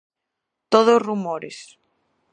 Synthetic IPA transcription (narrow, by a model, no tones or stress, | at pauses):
t̪oðosrumoɾḛs